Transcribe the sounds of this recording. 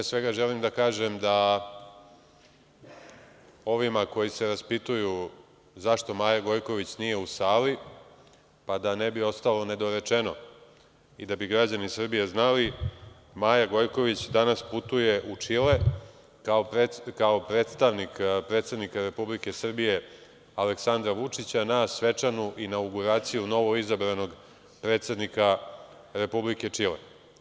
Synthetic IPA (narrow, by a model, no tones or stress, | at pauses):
pesʋe̞ɡaʒe̞limd̪akaːʒemd̪a | o̞ʋimako̞jise̞ɾaspit̪uju | zaʃt̪o̞maːjaɡo̞jko̞ʋit͡ɕnije̞usaːli | pad̪ane̞bio̞st̪alo̞ne̞d̪o̞ɾe̞t͡ʃe̞no̞ | id̪abiɡɾad͡ʑanisr̩bije̞znali | maːjaɡo̞jko̞ʋit͡ɕd̪anasput̪uje̞ʔut͡ʂile̞ | kaokaopɾet̪st̪aʋnikpɾe̞ːt̪se̞d̪nikaɾe̞publike̞sr̩bije̞ | ale̞ksand̪ɾaʋut͡ʂit͡ɕanasʋe̞t͡ʂanuʔinauɡuɾaːt̪sijuno̞ʋo̞izabɾano̞ɡ | pɾet̪se̞d̪nika | ɾe̞publike̞t͡ʂilḛ